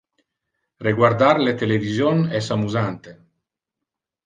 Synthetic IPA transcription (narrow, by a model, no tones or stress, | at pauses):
reɡward̪arlet̪elevizjonɛsamuzant̪e